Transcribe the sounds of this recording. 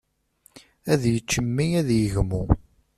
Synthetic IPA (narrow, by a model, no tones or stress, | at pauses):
æðjət͡ʃːəmːiæðjəʝmu